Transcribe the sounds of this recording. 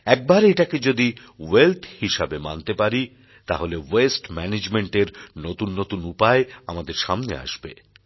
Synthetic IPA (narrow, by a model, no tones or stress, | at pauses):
ɛk̚baɾeʈaked͡ʑod̪i | welt̪ʰhiʃabema̰nt̪epaɾi | t̪aɦolewesʈmɛned͡ʑmeɳʈeɾnot̪unːot̪unupaeamad̪eɾʃamnḛa̰ʃbḛ